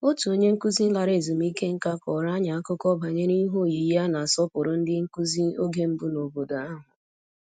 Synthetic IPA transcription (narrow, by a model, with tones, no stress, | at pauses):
o˦tu˨o˦ɲe˦ŋ̩˦ku˦zi˦n̩˦la˨ɾe˨zu˨m̩˦i˦ke˦ŋ̩˦ka˦kɔ˨ɾa˦ɲa˨a˦kʊ˦kɔ˦ba˨ɲe˦ni˦ɦo˦˨ji˨˦ja˦na˨a˨sɔ˦pʊ˨ɾʊ˨n̩˦dɪ˦ŋ̩˦ku˦zi˦o˦ɡe˦m̩˦bʊ˦no˨bo˨da˨a˦ɦʊ˨